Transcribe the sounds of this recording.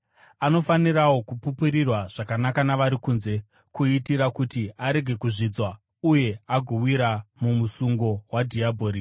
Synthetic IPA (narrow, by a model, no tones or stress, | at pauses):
ano̞faniɾawo̞kupupuɾirwaʐ̥akanakanaʋaɾikuːnze̞ | kuitiɾakutiaɾe̞ɡʱe̞kuʐid͡zwa | uje̞aɡʱuwiɾamumusuŋɡo̞wadʱiabʱo̞ːɾi